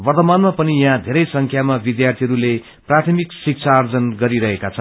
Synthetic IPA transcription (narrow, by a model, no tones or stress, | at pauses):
bʌrt̪ʌmanmapʌnijɦãd̪ʱeɾʌjsʌŋkʰjamabid̪jart̪ʰiɦʌɾule | prat̪ʰʌmiksik̚t͡sʰaːrd͡zʌnɡʌɾiɾʌɦekat͡sʰʌn